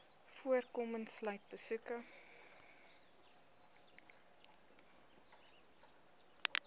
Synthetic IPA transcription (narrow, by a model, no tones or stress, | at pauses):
fuərkomənslœjt̚bəsukə